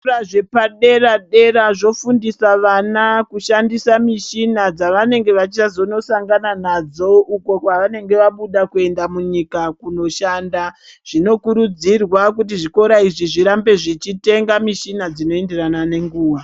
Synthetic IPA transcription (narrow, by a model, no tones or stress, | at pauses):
aʐepaɗe̞raɗe̞ɾaʐo̞fundisaʋanakuʃandisamiʃinad͡zaʋane̞ŋɡe̞ʋat͡ʃit͡ʃazo̞no̞saŋɡananad͡zo̞uko̞kwaʋane̞ŋɡe̞ʋaɓuɗakue̞ndamuɲikakuno̞ʃaːndaʐ̥ino̞kuɾud͡zirwak̬ut̬iʐiko̞ɾaiʐiʐiɾambe̞ʐit͡ʃite̞ŋɡamiʃinad͡zino̞e̞nde̞ranane̞ŋɡuːʋa